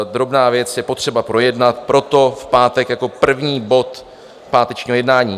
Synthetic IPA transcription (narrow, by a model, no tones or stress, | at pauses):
d̪ɾo̞bnaːvjɛt͡sjɛpo̞t̪r̝̥ɛbapɾo̞jɛdnat̪̚pɾo̞t̪o̞fpaːt̪ɛkjako̞pr̩vɲiːbo̞t̪ | paːt̪ɛt͡ʃɲiːɦojɛdnaːɲiː